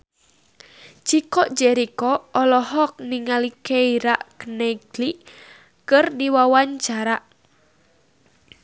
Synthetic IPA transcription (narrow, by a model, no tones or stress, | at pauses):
t͡ʃikɔʔd͡ʒɛɾikɔːlɔhɔk̚niŋalikeiɾaʔkənɛɡliʔ | kɨrdiwawaɲt͡ʃaɾaʔ